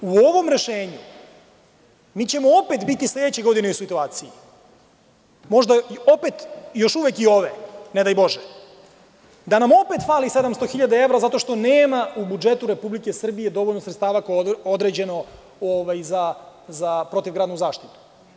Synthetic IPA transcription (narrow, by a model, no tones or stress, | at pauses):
uo̞ʋo̞mɾe̞ʃeːɲu | miːt͡ɕe̞moope̞t̪bit̪isle̞d̪et͡ɕeɡo̞d̪ineusit̪uaːt̪siji | mo̞ʒd̪ao̞pet̪jo̞ʃuʋekio̞ʋened̪ajbo̞ʒe | d̪anamo̞pe̞t̪faːlise̞d̪amst̪oxiʎad̪ae̞vɾazat̪o̞ʃt̪o̞neːmaubud͡ʒe̞t̪uɾe̞publike̞sr̩bije̞d̪o̞ʋo̞ʎnosɾet̪t̪aːʋakojeod̪ɾe̞d͡ʑe̞no | oʋajzazapɾo̞t̪iʋɡɾad̪nuzaːʃt̪it̪u̥